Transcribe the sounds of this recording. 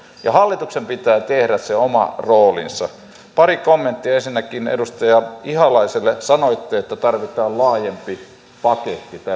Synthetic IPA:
jɑhɑlːit̪uksempit̪æːt̪ehɾæsseomɑ̰roːlḭnsɑ̰ | pɑrikomːent̪ːiɑensinːækˑinḛdust̪ɑjɑihɑlɑiselːesɑnoit̪ːiːet̪ːæt̪ɑrʋit̪ˑɑːllɑːjempi | pɑket̪ːit̪æ

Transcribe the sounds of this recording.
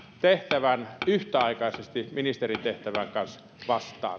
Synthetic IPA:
t̪eht̪æʋænyht̪æɑˑikɑˑisest̪iminist̪erint̪eht̪æʋæŋkɑns | ʋɑst̪ˑɑ̰ː

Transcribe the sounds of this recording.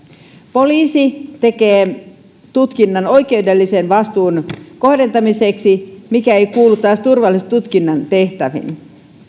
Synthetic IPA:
po̞liːsit̪e̞ke̞ː | t̪ut̪kinːɑno̞jk̟e̞ude̞lːise̞nʋɑst̪uːnko̞ɦde̞nt̪ɑmise̞ksimikæe̞jkuːlːut̪ːɑːst̪urʋɑlːˑist̪ut̪kinːɑnt̪e̞ht̪æʋḭn

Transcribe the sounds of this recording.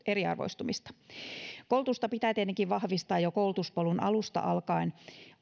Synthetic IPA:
eɾiɑ̰rʋo̰ist̪umist̪ɑ̥koulut̪ust̪ɑpit̪æːt̪et̪ːeŋkiʋʋɑhʋist̪ɑːjjokoulut̪uspolunɑ̰lust̪ɑ̰ʔɑlkɑin

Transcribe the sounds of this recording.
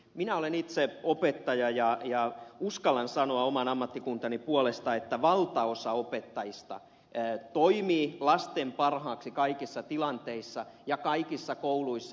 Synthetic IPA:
minæolenit̪seopet̪ːɑjɑjɑjɑuskɑlɑnsɑnoɑomɑnɑmːɑt̪ːikunt̪ɑnipuolest̪ɑet̪ːæʋɑlt̪ɑosɑopet̪ːɑjist̪ɑ̰ | t̪oimiːlɑst̪empɑrhɑːksikɑikisːɑt̪ilɑnt̪eisːɑjɑkɑikisːɑkouluisː

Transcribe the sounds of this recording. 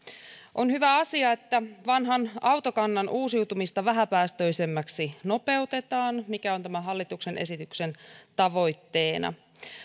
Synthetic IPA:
ʔonhyʋæɑsiɑe̞t̪ːæʋɑnɦɑnɑwt̪okɑnːɑnʔuːsiut̪umist̪ɑʋæɦæpæːst̪ø̞jse̞mːæksino̞pe̞ut̪e̞t̪ɑːnmikæont̪æmæɦɑlːit̪ukse̞nʔe̞̰sit̪ykse̞nt̪ɑʋo̞jt̪ːe̞ːnɑ̰

